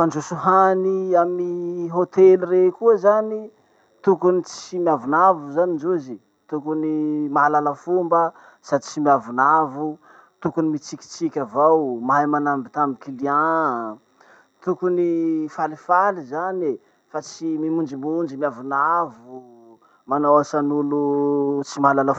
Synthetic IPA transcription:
fand͡ʒosuɦaniamiɦot̪elirekuəzani | t̪ukunit͡simiavunavuzanind͡ʒozi | t̪ukunimaalalafumbə | sad̪it͡simiavunavu | t̪ukunimit͡sikʲi̥t͡sikʲavawmaajmanambit̪aminkiliã | t̪ukunifalifalizane | fat͡simimund͡ʒimund͡ʒimiavunavu | manawasanulut͡simaalalaf

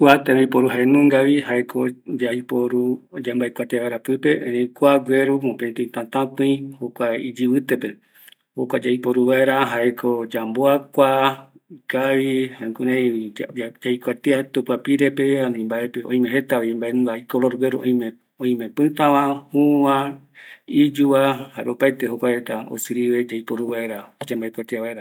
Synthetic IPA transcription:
kuat̪ẽɾẽĩpoɾuɦaenũŋɡaβihaekʰod͡ʒaipoɾud͡ʒambaekʷat̪eβaeɾapɨpe̞ʔẽɾẽkʷaɡʷeɾumõpẽt̪ẽĩt̪ãt̪ãpɨ̃j̃hokʷaid͡ʒiβɨt̪epe̞ | hokʷad͡ʒaipoɾuβaeɾaɦaekʰod͡ʒamboakʷa | ikaβihãkũɾẽ | d͡ʒajkʷat̪eat̪upapiɾepeanĩmbaepeʔõ̰ĩmẽɦet̪aβimbaeñdaikoloɾweɾuʔõj̃me | õĩmẽpɨ̃t̪ãβãhũwã | id͡ʒuβahaeʔopajt̪eɦokʷahet̪ao̰sɨɾiβed͡ʒaipoɾuβaeɾad͡ʒambaekʷat̪eaβaeɾa

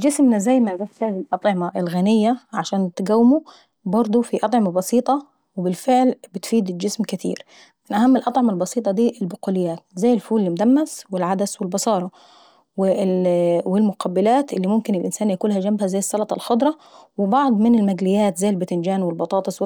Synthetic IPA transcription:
d͡ʒɪsmnazæjːmabaft̪haːzilʔɑt̪ˤʕɪmaʔɪlɣanɪjːaʕaʃaːnt̪ɡæwːɪmu | bɑɾˤd̪ˤufiʔɑt̪ˤʕɪmɑbɑsiːt̪ˤɑ | wɪbɪlfɪʕlbɪt̪fiːd̪d͡ʒɪsmkɪt̪ḭːɾ | mɪnʔahamːɪlʔɑt̪ˤʕɑmɑlbɑsiːt̪ˤɑd̪iːʔɪlbʊquːlɪjːaːt̪zajːɪlfuːlːmʊd̪æmːaswɪlʕad̪aswɪlbɑsɑːɾˤɑ | wɪ | wɪlmʊqʰɑbːɪlaːt̪ʔɪlːimʊmkɪnɪlʔɪnsaːnjakuːlhæd͡ʒambhæzajːɪsˤːɑlɑt̪ˤɑlħod̪ˤɾˤɑ | wɪbɑʕd̪ˤmɪnɪlmaɡlɪjːaːt̪zajːlbɪt̪ɪnd͡ʒaːnwɪlbɑt̪ˤɑːt̪ˤɨsˤw

